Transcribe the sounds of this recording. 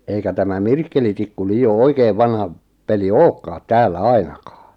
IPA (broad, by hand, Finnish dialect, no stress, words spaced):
eikæ tæmæ mirkːelitikːu liːo oikeːʋ ʋɑnhɑ peli oːkːɑːt tæːlːæ ɑinɑkɑː